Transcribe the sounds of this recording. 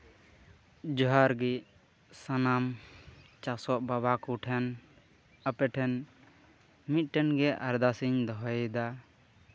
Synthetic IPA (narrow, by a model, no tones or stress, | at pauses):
d͡ʒɔɦaɾɡi | sanam | t͡ʃaksɔʔ̚babakuʈʰɛn | əpɛʈʰɛn | mit̪̚ˀʈɛnɡɛʔaɾd̪asiɲd̪ɔɦɔjd̪a